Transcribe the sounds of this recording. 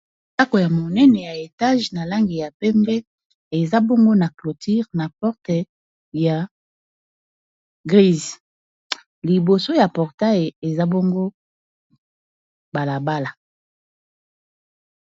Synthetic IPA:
a˦ko˨ja˨mo˨nɛ˦nɛ˨ja˨e˨ta˦ʒna˨la˦ŋɡi˨ja˨pɛ˦mbɛ˦ | e˨za˦bɔ˦ŋɡo˦na˨klo˨ti˦ʁna˨pɔ˦ʁtɛ˨ | ja˨ | ɡʁi˦z | li˨bo˨so˦ja˨pɔ˨ʁta˦je˨za˦bɔ˦ŋɡo˦ | ba˨la˨ba˦la˨

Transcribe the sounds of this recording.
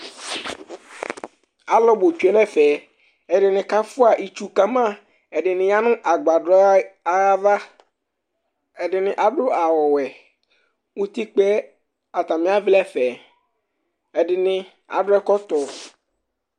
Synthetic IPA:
a˨lɔ˦bo˨t͡ʃu˨ɛ˨˦nɛ̃˦fɛ˨ | ɛ˨dɪ˨nɪ̃˨ka˦fʊ˦a˨ʔi˨t͡ʃu˨ka˦mã˦ | ɛ˨dɪ˨nɪ̃˨ja˦nʊ̃˦ʔa˨ɡ͡ba˨dɔ˦a˦va˦ | ɛ˨dɪ˨nɪ̃˨ʔa˨ɖʊ˦a˨wɔ˨wɛ˨ | wu˦t̪i˦k͡pɛ˦ | a˨t̪a˨mɪ̃˦a˦vlɛ˦fɛ˨ | ɛ˨dɪ˨nɪ̃˦ | a̰˨dʊ˦ɛ˦kɔ˦t̪ɔ˨

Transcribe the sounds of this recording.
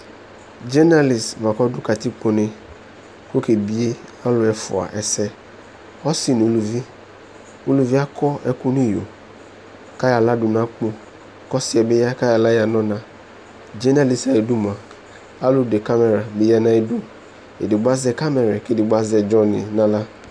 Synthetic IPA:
d͡ʒɛ˦na˦li˨sva˨kɔ˦dʊ˦ka˨ti˦k͡po˨nɪ̃˨ | ko˦ke˨bi˦e˦a˦lʊ˨ɛ˨fʊ̰˨a̰˨ʔɛ˨sɛ˦ | ɔ˦si˨n˨o˨lu˨vi˦ | o˦lu˨vi˦a˦kʰɔ˦ɛ˦kʊ˦nĩ˦jo˨ | ka˦ja˨la˦dʊ˨nã˦k͡pʊ̃˦ | kɔ˦sɪ˦ɛ˨be˦ja˦ka˦ja˨la˦ja˨nɔ̃˦nã˨ | d͡ʒɛ˦na˦li˨sa˨ɛ˨du˦mã˨ | a˦lʊ˨de˨ka˦mɛ˨ɾa˨be˨ja˦nã˨e˨du˦ | ḛ˨dɪ˨ɡ͡ba˦zɛ˦ka˦mɛ˨ɾa˨kɪ˦˨dɪ˨ɡ͡ba˦zɛ˨d͡ʒɔ˦nɪ̰˨nã˦la˦

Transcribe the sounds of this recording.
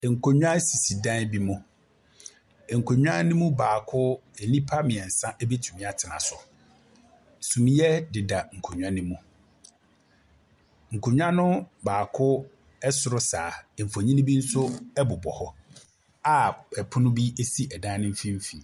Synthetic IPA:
ŋ̩˨kʰo˨ɲᶣ˦ã˦si˨si˨dãː˦nbi˦mʊ̃˦˨ | ŋ̩˨kʰo˨ɲᶣ˦ã˦nɪ̃˦mũ˦baː˨kʰʊ˦ɛ˨nĩ˦pʰa˦mɪ̃˨ɛ˨n̩˨sã˦ʔɛ˦be˦tʰu˨mĩ˨˦a˨tʰɪ˨nã̰˨sʊ˨ | sũ˨mĩ˨˦jɛ˦dɪ˨da˨ŋ̩˨kʰo˨ɲᶣ˨ã˦nĩ˦mũ˦ | ŋ̩˨kʰo˨ɲᶣ˦ã˦nʊ̃˦baː˨kʰʊ˦ | ɛ˦sʊ˨ɾʊ˦sa˨fo˨ɲĩ˦nĩ˦bi˦n̩˦sʊ˦ɛ˦bʊ˨bɔ̰˨hɔ˦ | a˦˨pɛ˨pʰʊ˦nʊ̃˦bi˦e˦si˦ʔɛ˨dã˦nɪ̃˦m̩˦fĩ˦m̩˦fi˨

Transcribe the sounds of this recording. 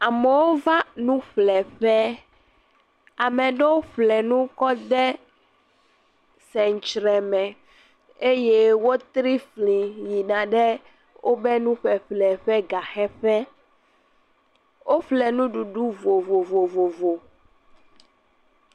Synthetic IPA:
a˨mɛ˨wo˦va˦nũ˦ɸlɛ˨ɸɛ˦ | a˨mɛ̃˨ɖɛ˦wo˦ɸlɛ˨nũ˦kɔ˦d̪ɛ˦ | sɛ˨ŋ˨t͡ʃɾɛ˨mɛ̃˨ | e˦je˦wo˦t̪ɾi˦flĩ˨ji˨nã˨ɖɛ˦ | wʔo˦bɛ˦nũ˦ɸɛ˨ɸlɛ˨ɸɛ˦ɡa˨xɛ˦ɸɛ˦ | wʔo˦ɸlɛ˨nũ˦ɖu˨ɖu˦vo˨vo˨vo˨vo˨vo˨

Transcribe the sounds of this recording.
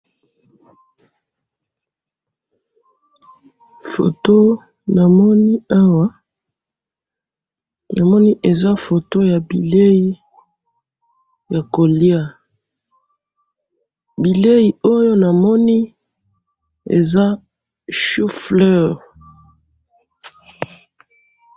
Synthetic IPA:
fo̰˨to˦ | na˨mɔ˦ni˦a˦wa˦ | na˨mɔ˦ni˦ʔe˨za˦fo˨to˦ja˨bi˨le˦ji˦ | ja˨ko˨li˦a˦ | bi˨le˦ji˨o˦jo˦na˨mɔ˦ni˦ | ḛ˨za˦ | ʃu˦flɔ˦˨ʁ

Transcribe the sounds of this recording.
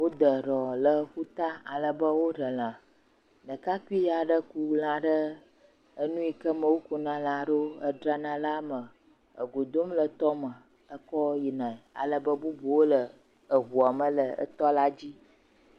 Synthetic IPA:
wo˦d̪ə˨ɖɔ˨lə˨ɸu˦t̪a˦a˨lə˨bə˦wo˦ɖə˨l̃ã˨ | nə̃˨ka˦ku˦i˦ja˨ɖə˦ku˦l̃ã˨ɖə˦ | ə˦nũ˦i˨kə˦mə˨wo˦ku˨nã˨lã˨ɖo˦ə˦ɖɾa˦nã˨la˦mə˨ | ə̰˨ɡo˨d̪o˦mlə˨t̪ɔ˦mə˨ | ə˦kɔ˦ji˨nã˨a̰˨lə˨bə˦bu˦bu˨wo˦lə˨ | ə˨ɦu˨a˨mə̃˨lə˨ə̰˦t̪ɔ˦la˦d͡ʑi˦

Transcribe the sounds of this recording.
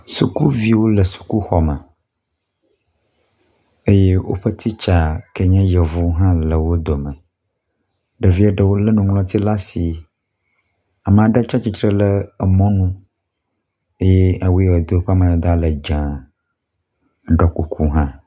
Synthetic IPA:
su˨ku˦vi˦wo˦lə˨su̥˨ku˦xɔ˨mə˨ | e˦je˦wo̰˦ɸə˦t̪ʰi˦t͡ʃa˨kə˦ɲɛ̃˦jə˨vu˦ɦã˦lə˨wo˦d̪o˨mə˨ | ɖə˨vi˦ɛ˦ɖə˨wo˦lə˦nũ˨ŋlɔ̃˦t̪i˦la˦si˨ | a˨mə̃˨a˨ɖə˦t͡ʃa˦t͡ʃi˨t̪ɾə˦lə˦ə˨mɔ̃˦nũ˦ | e˦jɛ˦a˨wu˦wo˨d̪o˦wo˦ɸa˦mã˨a˨d̪a˦lə˨d͡ʒã˨ | ɖɔ˦ku˨kʰu˦ɦã˦

